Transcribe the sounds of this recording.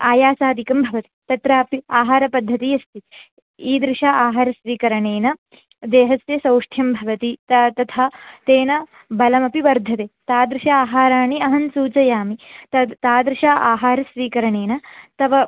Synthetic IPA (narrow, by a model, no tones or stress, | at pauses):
aːjaːsaːd̪ʱikɐmbʱɐʋɐt̪i̥t̪ɐt̪ɾaːɐpiaːɦaːɾɐpɐd̪ʱːɐt̪ijɐst̪i | iːd̪ɾɪʂaːʔaːɦaːɾɐʃɾiːkɐɾɐɳeːnɐ | d̪eːɦɐsjɐsɐwʂʈʰjɐmbʱɐʋɐt̪it̪ɐt̪ɐt̪ʰaːt̪eːnɐ | bɐlɐmɐpiʋɐɾd̪ʱːɐt̪eːt̪aːd̪ɾɪʃaaːɦaːɾaːɳiɐɦɐnsuːt͡ʃɐjaːmiɐt̪aːd̪ɾɪʃaːʔaːɦaːɾɐsɾiːkɐɾɐɳeːnɐt̪ɐʋɐ